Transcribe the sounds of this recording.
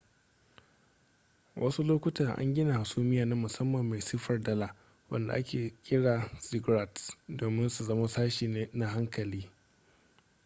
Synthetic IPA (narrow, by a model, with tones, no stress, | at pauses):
wʔɐ˦su˦loː˦kʷʊ˦tɐ˨rʔa̰˦ŋɡʲɪ˦na˨ha˨suː˦mɪ˦jaː˨na˦mʊ˨sɐ˦mːɐ˨mːa˨jsi˦ɸɐ˨rdɐ˦la˨ | wɐ̰˦nda̰˨ʔa˦kʲʰeː˨kʲʼɪ˦ɽaː˨sɪ˦ɡɾa˨tdoː˨mɪ˦nsu˨zɐ˦ma˦saː˦ʃiː˨neː˦na˦ɦa˦ŋkɐ˨liː˦